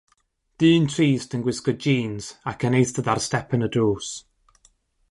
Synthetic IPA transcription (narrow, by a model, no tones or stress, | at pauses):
d̥ɨːntʰriːsdənɡwɪskɔd̚d͡ʒiːnz̥akʰənejθdəðarstɛpʰənədoːs